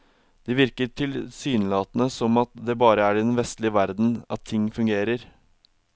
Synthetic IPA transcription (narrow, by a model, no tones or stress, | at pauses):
d̪̥ɪʋɪɾkəʈʰɪlsyːnəlɑːt̪ənəsɔmɑt̪d̪ɛbɑːɾəæɾɪd̪ɛnʋɛst̪lɪəʋæɾd̪n̩ɑt̪ʰːɪŋːfʉŋɡeːɾəɾ